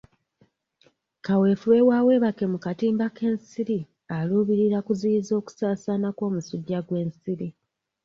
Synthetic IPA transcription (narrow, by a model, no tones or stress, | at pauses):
kawe̞fuwe̞wawe̞ːβake̞mukatiːmbake̞ːnsiɾi | aluːβiɾiɾakuziizo̞ːku̥saːsanako̞ːmusuɟːaɡwe̞ːnsiɾi